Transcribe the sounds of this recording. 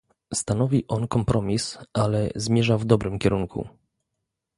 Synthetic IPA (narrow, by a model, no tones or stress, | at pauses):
st̪anɔvʲiʔɔnkɔmpɾʔɔmʲisalɛzmʲjɛʐavd̪ɔbɾɘmkʲɛɾuŋkṵ